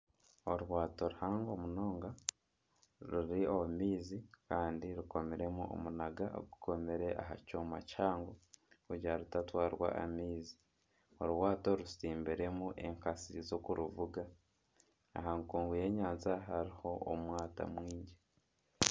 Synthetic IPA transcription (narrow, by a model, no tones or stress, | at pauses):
oɾwaːto̞ɾuhaːŋɡo̞muno̞ːŋɡa | ɾuɾiomiːzikaːndiɾuko̞meɾe̞muʔo̰munaɡao̰ɡukʰo̞meɾe̞ʔa̰ɦa̰comacaːŋɡouɟaɾutatwaːɾwa̰ʔa̰miːzi̥ | oɾwaːto̞ɾusiːmbiɾe̞muʔe̞ŋkasizokuɾuvuɡa | a̰ɦaŋkuːŋɡuje̞ːɲaːnzaɦaɾiho̞o̰mwaːta̰mwiːɲɟe